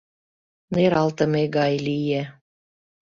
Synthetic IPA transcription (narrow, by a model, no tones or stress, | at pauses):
neɾɑlt̪ə̆meɡɑjlije